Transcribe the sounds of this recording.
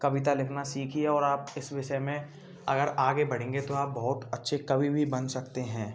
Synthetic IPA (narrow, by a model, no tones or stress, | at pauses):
kɐbɪt̪alɪkʰnasiːkʰieɔːɾaːpɪsʋɪʃəjmẽ | ɐ̰ɡəɾaːɡebɐɽẽːŋ̆ɡet̪oaːp̚bɐɦʊt̪ɐtːʃʰekɐbʱibʱibɐnsɐkt̪eɦɛ̃ː